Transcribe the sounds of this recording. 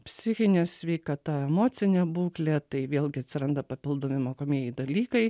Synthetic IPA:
pʲsʲɪxʲɪnʲesʲʋʲɛɪkɐt̪ɐɛmoːt͡s̪ʲɪnʲebuːklʲeːt̪ɐɪʋʲeːlʲˠɡʲɪɐt̪ʲsʲɪɾɐnd̪ɐpɐpʲɪlˠd̪oːmʲɪmoːkoːmʲiɛjɪd̪ɐlʲiːkɐɪ

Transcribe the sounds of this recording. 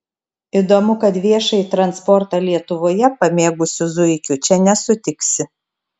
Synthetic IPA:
id̪oːmʊkɐt̪ʋʲiɛʃɐɪt̪ɾɐnspɔɾt̪ɑlʲiɛt̪ʊʋoːjɛpɐmʲeːɡʊsʲʊzʊɪkʲʊt͡ʃʲɛnʲɛsʊt̪ʲɪksʲɪ

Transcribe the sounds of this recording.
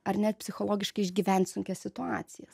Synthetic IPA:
ɐɾnʲɛt̪̚ʲpʲsʲɪxoːlˠoːɡʲɪʃkɐɪʒʲɡʲiːʋʲɛnʲt̪ʲsʊŋʲkʲɛssʲɪt̪ʊɑ̰ːt̪sʲɪjɛs

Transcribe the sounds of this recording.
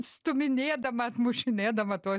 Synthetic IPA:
st̪uminʲeːd̪ɐmat̪muʃineːd̪ɐmɐt̪o

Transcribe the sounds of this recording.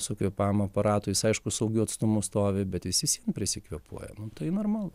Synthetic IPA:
ɪsoːkʲʊpɑːmɐɐpɐɾɑːt̪ʊjɪsɐɪʃkʊsɐʊɡʲʊɐt̪st̪ʊmʊst̪oːʋʲɪbʲɛt̪ʋʲɪsʲɪsʲiɛnpʲɾʲɪsʲɪkʋʲiɛpṵɔjɛ̰nʊt̪ɐɪnoːrmɑːlˠʊ

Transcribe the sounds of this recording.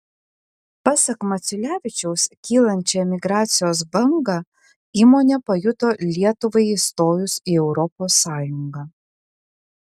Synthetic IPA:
pɑsɐkmɐt̪sʲʊlʲæːʋʲɪt͡ʃʲɛʊskʲiːlˠɐnʲt͡ʃʲɛmʲɪɡɾɑːt̪sʲɪjoːs̬bɐŋɡɑː | iːmoːnʲɛpɐjʊt̪oːlʲiɛt̪ʊʋɐɪist̪oːjʊsiːɛʊɾɔpoːsːɑːjʊŋɡɑː

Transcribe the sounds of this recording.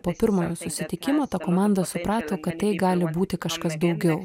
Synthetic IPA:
poːpʲɪɾmoːjoːsʊsʲɪt̪ʲɪkʲɪmoːt̪ɑkoːmɑˑnd̪ɐsʊpɾɑːt̪oːkɐt̪t̪ːɐɪɡɑːlʲɪbuːt̪ʲɪkɐʃkɐsd̪ɒʊɡʲɛʊ

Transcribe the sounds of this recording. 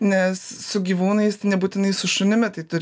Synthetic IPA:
nʲɛsːʊɡʲiʋuːnɐɪst̪ɐɪnʲɛbuːt̪ʲɪnɐɪsʊʃʊnʲɪmʲɛt̪ɐɪt̪ʊɾʲ

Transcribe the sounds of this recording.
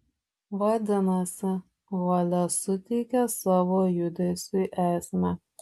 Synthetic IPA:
ʋɐd̪ʲɪnɐsʲɪ | ʋɐlʲɐsʊt̪ʲɛɪkʲɛsɑʋoːjʊd̪ʲɛsʲʊjʔæːsʲmʲɛ

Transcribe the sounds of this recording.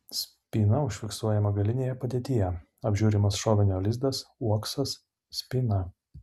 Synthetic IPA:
sʲ | pʲiːnɐʊʃʲfʲɪksuɔjɛmɐɡɐlʲɪnʲeːjɛpɐd̪ʲeːt̪ʲɪjɛ | ɐbʲʒʲuːɾʲɪmɐsʃɔːʋʲɪnʲoːlʲɪzd̪ɐsuɔksɐs | sʲpʲiːnɐ

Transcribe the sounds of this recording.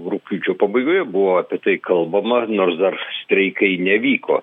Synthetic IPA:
rukʲuːt͡ʃʲoːpɐbɐɪɡoːjɛbʊʋoːɐːpʲɛt̪ɐɪkɐlˠbɐmɐnoːrsd̪ɐrsʲt̪ʲɾʲɛɪkɐɪnʲɛʋʲiːko̰ː

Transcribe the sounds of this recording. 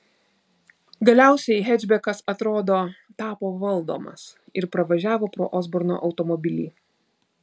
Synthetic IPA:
ɡɐlʲæˑʊsʲɛɪɦʲɛd͡ʒʲbʲɛkɐsɐt̪ɾoːd̪oːt̪ɑːpoːʋɐlˠd̪o̰ːmɐ̰sɪɾpɾɐʋɐʒʲæːʋoːpɾo̰ːʔɔzbɔɾno̰ːʔɒʊt̪ɔmɔbʲɪlʲiː

